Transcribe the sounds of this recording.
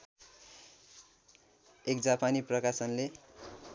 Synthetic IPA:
ek̚d͡zapaniprʌkasʌnle

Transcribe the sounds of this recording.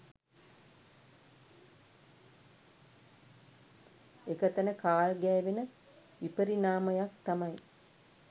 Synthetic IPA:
ekət̪ənəkaːlɡɛːʋenə | ʋipəɾinaːməjak̚t̪amɐj

